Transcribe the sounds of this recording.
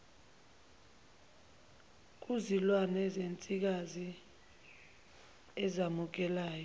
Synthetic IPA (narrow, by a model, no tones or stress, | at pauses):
k̬uzilwanɛzent͡sʼik̬azi | ɛzamuk̬ɛlaːjɔ